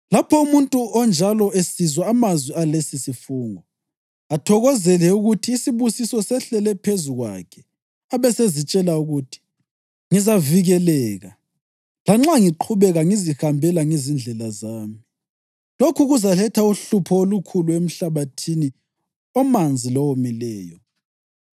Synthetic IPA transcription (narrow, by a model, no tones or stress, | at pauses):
lapʰɔumuntʼuʔɔnd͡ʒʱalɔesizwaːmazwialesisifuːŋɔ | atʰɔɣɔzɛlɛuɣutʰiːsiβusisɔsɛɬɛlɛpʰezuɣwa̰kʰɛ̥ | aβɛsezit͡ʃʼɛlauɣutʰi̥ | ŋizaviɣɛlɛːɣa | laŋ͡ǁaŋiǃʰuβɛɣaŋizihambʱɛlaŋizind͡ɮʱɛlazaːmi | lokʰuɣuzalɛtʰauɬupʰɔolukʰuluem̩ɬaβatʰini | ɔmand͡zʱilɔwomilɛːjɔ